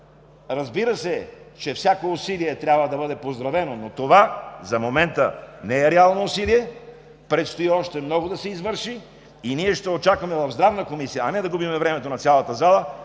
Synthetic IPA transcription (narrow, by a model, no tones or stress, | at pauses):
ɾɐzbiɾəsɛt͡ʃɛfsʲjakoʊsiliɛt̪ɾʲjabvəd̪ɐbɤd̪ɛpozd̪ɾɐvɛnonot̪ovazɐmomɛnt̪ənɛɛɾɛalˠnoʊsiliɛ | pɾɛt̪st̪oiɔʃt̪ɛmnɔɡod̪ɐsɛizvɤɾʃi | iniɛʃt̪ɛot͡ʃakvɐmɛvɐvzd̪ɾavnəkomisijəːnɛd̪ɐɡubimɛvɾɛmɛt̪onɐt̪sʲjalˠɐt̪əzalˠə